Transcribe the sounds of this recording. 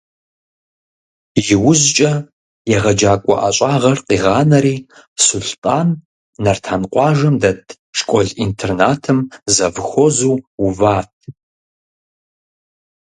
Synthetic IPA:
ʒɪwʊzt͡ʃʼɐ | jɛʁɐd͡ʒaːkʷʼɔ̰ʔaɕʼaːʁɐrqiːʁɑːnɐɾiːsʊɬtʼaːnː | ɐrtʰaːnqʷɑːʒɐmdɐtʰ | ʃkʷʼɔɮintʰernaːtʰɨmzɐvxʷɔzuːuvaːtʰ

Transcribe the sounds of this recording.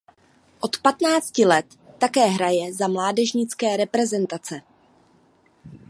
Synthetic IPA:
ʔo̞t̪pat̪naːt͡scɪlɛt̪ːakɛːɦɾajɛzamlaːdɛʒɲɪt͡skɛːɾɛpɾɛzɛnt̪at͡sɛ

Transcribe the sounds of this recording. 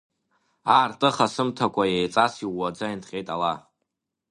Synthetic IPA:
aːrtʼɨχasɨmtʰakʷʰajejt͡sʼasiwʷːad͡zaintʰqʲʼe̞jtʼala

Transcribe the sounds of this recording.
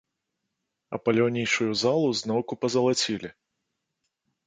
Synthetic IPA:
ɐ̰pɐlʲawnʲijʂujuzalˠuznɔwkupɐzɐlˠat͡sʲilʲi

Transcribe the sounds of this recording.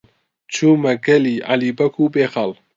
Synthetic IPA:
t͡ʃʰuːmɐɡɐliʔa̰liːbɐkʰuːbeːxɑl

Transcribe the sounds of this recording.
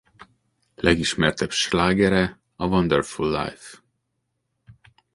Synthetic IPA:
lɛɡiʃmɛrt̪ɛbʃlaːɡɛɾɛ | ɒvond̪ɛrfulːa̰jf

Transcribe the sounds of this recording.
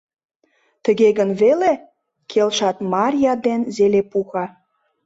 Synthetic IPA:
t̪əɣeɣənβele | kʰelʃɑt̪mɑrʲjɑd̪enzelepuxɑ

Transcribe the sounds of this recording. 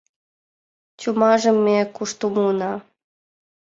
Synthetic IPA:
t͡ɕumɑʒɤ̆mːekuʃt̪umunɑ

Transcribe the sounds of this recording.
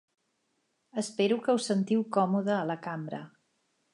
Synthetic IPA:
əspeɾukəusənt̪iwkɔmuðəːləkambɾə̰

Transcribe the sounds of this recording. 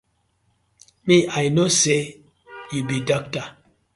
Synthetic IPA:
miʔajnose | jubidɔk̚ta

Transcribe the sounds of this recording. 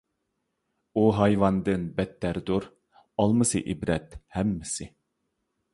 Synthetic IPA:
uɦɑjvɑnd̪ɨnbɛt̪ːæɾd̪uɾ | ɑlˠmɨsɨ̰ʔibɾɛt̪hɛmːɪsɪ

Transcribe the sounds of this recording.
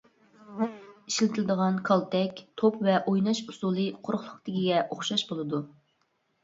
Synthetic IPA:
iʃlɪt̪ʰɪlɪd̪əʁɑnkʰɑlˠt̪ʰɛkʲt̪ʰopvɛʔojnɑʃusulˠɨqʰoɾχlˠʊqt̪ɪkʲiɡʲɛʔoχʃɑʃbolˠɨd̪u

